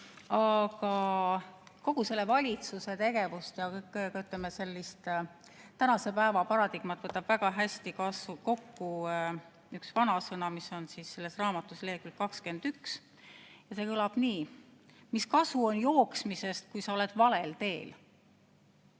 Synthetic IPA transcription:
ɑɡɑ | ko̞ɡ̥use̞lːe̞vɑlʲit̪suse̞t̪e̞ɡ̥e̞vust̪jɑkɤkːkɑyt̪lemːese̞lːist̪ | t̪ænɑse̞pæevɑpɑɾɑd̪iɡ̥mɑt̪ːvɤt̪ːˑɑb̥væɡ̥ɑɦæsʲt̪ikɑsuko̞kːu | yksvɑnɑsɤnɑmiso̞nsisse̞lːe̞srɑːmɑt̪ːˑusleːkrikkɑkske̞nd̪̥yks | jɑse̞kɤlɑb̥niːmiskɑsuo̞njo̞ːksmise̞st̪̚kujsɑo̞le̞d̪̥vɑle̞lt̪e̞ːl

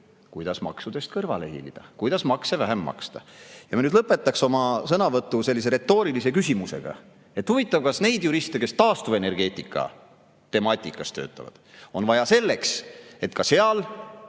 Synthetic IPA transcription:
kujd̪̥ɑsmɑ̰ksud̪̥e̞st̪̚kɤrvɑlehḭlid̪̥ɑkujd̪̥ɑsmɑksevæɦemːɑ̰kst̪ɑjɑmɑnyd̪lɤpːˑe̞t̪ːˑɑkso̞mɑsɤnɑvɤt̪ːˑuse̞lːis̬e̞ɾe̞t̪ːˑo̞ːɾilise̞kysʲimuse̞̰ɡ̥ɑ̰ | e̞t̪huvit̪ːˑɑvkɑsne̞jd̪juɾist̪e̞ke̞st̪ɑːst̪uve̞ne̞rɡ̥e̞ːt̪ːˑikːˑɑ̰ | t̪e̞mɑt̪ʲˑːikːˑɑst̪ø̰ːt̪ːˑɑ̰vɑ̰d̪̥o̞nvɑjɑse̞lːe̞kse̞t̪kɑse̞ɑl

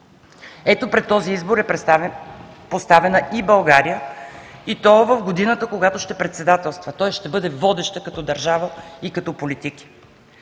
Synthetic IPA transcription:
ɛt̪opɾɛt̪ːɔziizboɾɛp | post̪avɛnəʔibɐlˠɡaɾijəit̪ɔvɐvɡod̪inət̪əkoɡat̪oʃt̪ɛpɾɛt̪sɛd̪at̪ɛlˠst̪vət̪ɔjʃt̪ɛbɤd̪ɛvɔd̪ɛʃt̪əkɐt̪ɔd̪ɐɾʒavəikɐt̪ɔpolit̪iki̥

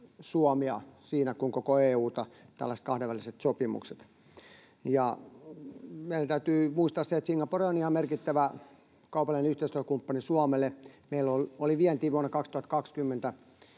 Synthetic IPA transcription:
suɑmiɑ̰siːnækuiŋkokoeːuːt̪ɑt̪æ̰lːæset̪kɑhdeʋæliset̪sopimṵkset̪ | jɑ | meilænt̪æyt̪yːmuist̪ɑːsseet̪siŋːɑporionihɑmmerkit̪ːæʋæ | kɑupɑlːinenyht̪eist̪løøkumpːɑnisuɑmelːˑemeilːololiʋiɛnt̪iːʋuonːɑkɑkst̪uhɑt̪kɑkskymːent̪æ

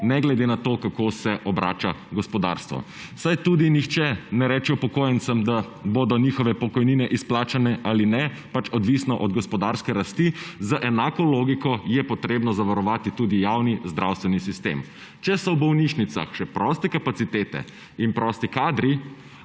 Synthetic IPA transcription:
nɛɡlɛd̪enat̪okakosɛʔɔbɾʔa̰ːt͡ʃaɡɔspɔd̪a̰ːɾst̪ʋɔ̰ | sajt̪ud̪inixt͡ʃɛnɛɾɛt͡ʃɛɔpɔkoːjənsəmd̪a | boːd̪ɔniːxɔʋɛpɔkɔjniːnɛʔisplaːt͡ʃanɛʔalinɛ | pat͡ʃɔd̪ʋisnɔʔɔd̪ɡɔspɔd̪aɾskɛɾast̪izaʔɛnaːkɔloːɡikɔjɛpɔt̪ɾeːbnɔzaʋaɾɔʋaːt̪it̪uːd̪ijawnizd̪ɾʔa̰wst̪ʋɛnisist̪ḛm | t͡ʃɛsɔwbɔwniʃnit̪sa̰xʃɛpɾɔst̪ɛkapat̪sit̪eːt̪ɛ̰ | inpɾɔst̪ikaːd̪ɾi

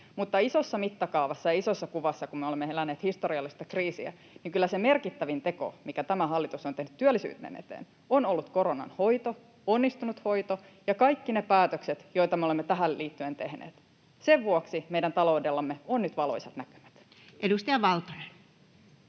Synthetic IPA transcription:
mut̪ːɑisosːɑmit̪ːɑkɑuʋɑsːɑjɑisosːɑkuʋɑsːɑkummeolemːeelænːeːt̪hist̪oɾiɑlːist̪ɑkriːsḭæ̰ | niŋkylːæseme̞rkit̪ːæʋint̪e̞ko̰mikæt̪æmæɦɑlːit̪usont̪e̞hny̥t̪t̪ːyølːisy̰ːt̪nḛːnʔḛt̪ḛːn | onolːut̪ko̞ɾonɑ̰nho̞jt̪o | onːist̪unut̪ho̞it̪o | jɑkɑjkːinepæːt̪økset̪jo̞jt̪ɑmeolemːet̪æɦælliːt̪ːyent̪e̞hnḛːt̪ | seʋʋuoksime̞idænt̪ɑlo̞udelːɑmːeonnyt̪ʋɑlo̰isɑt̪nækø̥mæ̥t̪ | ʔedust̪iɑʋɑlt̪onen

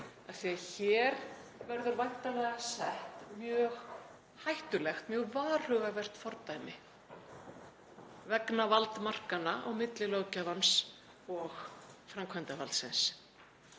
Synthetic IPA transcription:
aθiaçɛɾvɛɾðʏɾvajht̪anɛɣasɛht̪mjœːɣ | hajht̪ʏlɛxt̪mjœːɣvaːr̥ʏɣavɛr̥t̪fɔɾt̪ajmɪ | vɛknavalt̪mar̥kanaʔɔɣmɪt̪lɪloːwcavans | ɔɣfɾamkʰvajnt̪ava̰lt̪sɪ̰ns

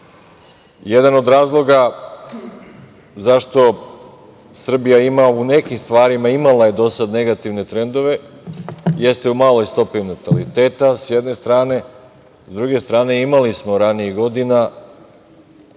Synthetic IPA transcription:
jed̪ano̞d̪ɾaːzlˠo̞ɡa | zaʃt̪o̞ | sr̩bijaimaune̞kimst̪ʋaːɾimaimalˠaje̞d̪o̞sad̪ne̞ɡat̪iʋne̞t̪ɾe̞nd̪o̞ʋe̞ | je̞st̪e̞umaːlˠo̞jst̪o̞pinot̪alit̪e̞ːt̪asjed̪ne̞st̪ɾaːne̞ | zd̪ɾuɡe̞st̪ɾaːne̞imalismo̞ɾaniiɣɡo̞d̪ina

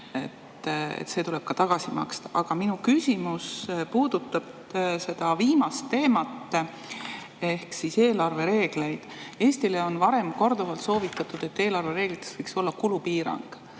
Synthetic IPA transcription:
e̞̰t̪ːḛt̪se̞t̪ule̞b̥̚kɑt̪ɑɡ̥ɑsimɑ̰kst̪ɑ̥ʔɑɡ̥ɑminukysʲimuspuːd̪̥ut̪ːˑɑb̥ | se̞d̪̥ɑviːmɑst̪ːe̞ːmɑt̪ː | e̞hksise̞ːlɑrve̞ɾe̞ːɡ̥le̞jd̪̥e̞ːsʲt̪ile̞o̞nvɑɾe̞mko̞rd̪̥ovɑlt̪so̞ːvit̪ːˑɑt̪ud̪̥e̞t̪ːe̞ːlɑrve̞ɾe̞ːɡlit̪ːˑe̥svɤjkso̞lːɑkulupiːɾɑ̰ŋɡ̥

